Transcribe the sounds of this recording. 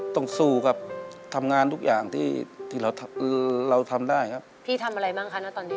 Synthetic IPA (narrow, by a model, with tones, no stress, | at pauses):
t̪ɔ˥˩ŋsuː˧˩ka˦˧˩p̚t̪ʰa˧mŋaː˧nt̪ʰu˦˥k̚jaː˨˩ŋt̪ʰiː˥˩t̪ʰiː˥˩ɾa˧wt̪ʰɾa˧wt̪ʰa˧mdaː˥˩jkʰa˦˥p̚pʰiː˥˩t̪ʰa˧mʔa˧ɾa˧jbaː˥˩ŋkʰa˦˥na˦˥t̪ɔː˧nːiː˦˥